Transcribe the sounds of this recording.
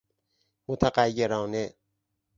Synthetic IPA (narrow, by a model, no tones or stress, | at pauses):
mot̪ʰæɢæjːeɾɒːne